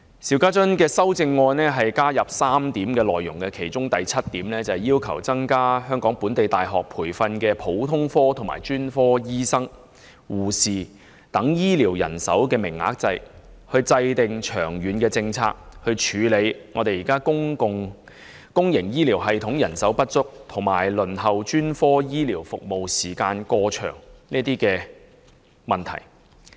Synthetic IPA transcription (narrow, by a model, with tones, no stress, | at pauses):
si˨˧wkaː˥t͡sɵ˥nkɛː˧sɐ˥wt͡sɪ˧ŋːɔː˧nnɛː˥ɦɐ˨jkaː˥jɐ˨p̚saː˥mt̪iː˨˥mkɛː˧lɔː˨jʊ˨˩ŋkɛ˧kʰe˨˩jt͡ʃʊ˥ŋt̪ɐ˨jt͡sʰɐ˥t̚t̪ːiː˨˥mlɛː˥t͡sɐ˨ɐ˨jiː˥wkʰɐ̰˨˩wt͡sɐ˥ŋkaː˥ɦœː˥ŋkɔː˨˥ŋpuː˨˥nt̪e˨jt̪aː˨jɦɔː˨k̚pʰuː˨˩jfɐ˧nkɛː˧pʰo˨˥wt̪ʰʊ˥ŋfɔː˥t̪ʰʊ˨˩ma̰ː˨˩jt͡ʃyː˥nfɔː˥jiː˥sɐ˥ŋ | wuː˨siː˨ | t̪ɐ˨˥ŋjiː˥liː˨˩wjɐ̰˨˩nsɐ̰˨˥wkɛː˧mɪ˨˩ŋːa̰ː˨˥k̚t͡sɐ˧j | hɵ˧ɥt͡sɐ˧jt̪ɪ˨ŋt͡ʃʰœ̰ː˨˩ŋɥyː˨˧nkɛː˧t͡sɪ˧ŋt͡sʰa̰ː˧k̚hɵ˧ɥt͡ʃʰyː˨˧le˨˧jŋɔː˨˧t̪e˨jiː˨˩kaː˥kʊ˥ŋkʊ˧ŋ | kʊ˥ŋjɪ˨˩ŋjiː˥liː˨˩wɦɐ˨jt̪ʰʊ˨˥ŋjɐ˨˩nsɐ˨˥wpɐ˥t̚t͡sʊ˥k̚t̪ʰʊ˨˩ŋmaː˨˩jlɵ˨˩nɦɐ˨wt͡ʃyː˥nfɔː˥jiː˥liː˨˩wfʊ˨k̚mo˨wsiː˨˩kaː˧nkɔː˧t͡ʃʰœ̰ː˨˩ŋliː˥ət̪iː˥kɛː˧ | mɐ˨nt̪ʰɐ̰˨˩j